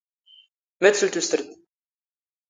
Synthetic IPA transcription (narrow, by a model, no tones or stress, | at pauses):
mæt̪səlt̪ust̪əɾd̪